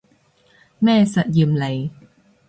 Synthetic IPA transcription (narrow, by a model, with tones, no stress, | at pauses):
mɛː˥˩sɐ˨˩t̪̚ji˨˩mle˨˩j